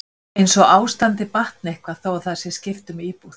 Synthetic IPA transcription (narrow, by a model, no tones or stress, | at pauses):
ejnsɔɣaːwst̪ant̪ɪpaht̪̚nehkvaθowaθasɪscɪft̪ʏmiːpuθ